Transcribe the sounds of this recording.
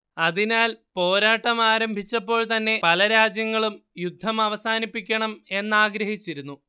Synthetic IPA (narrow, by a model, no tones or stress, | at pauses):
ɐðinaːlpo̞ːɾaːʈːɐmaːɾɐmbʱit͡ɕːɐpːo̞ːɭt̪ɐnːe̞pɐlɐɾaːd͡ʑjɐŋːɐɭumjud̪ʱːɐmɐʋɐsaːnipːikʲːɐɳɐme̞nːaːɡɾɐɦit͡ɕːiɾunːu